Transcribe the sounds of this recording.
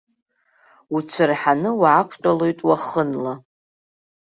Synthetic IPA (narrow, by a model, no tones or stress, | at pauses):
ut͡ɕʷʰɨrħanɨwaʕakʷʰtʼalojtʼwaχənla